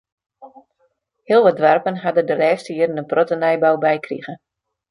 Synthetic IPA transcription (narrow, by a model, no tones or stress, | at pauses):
hiəlˠʋɔdʋarpənɦadədəlɛːstəiəɾnəprotənɛjbawbɛjkrḭɣə